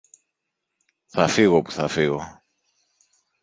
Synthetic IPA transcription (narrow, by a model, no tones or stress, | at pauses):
θafiɣopu̥θafiɣo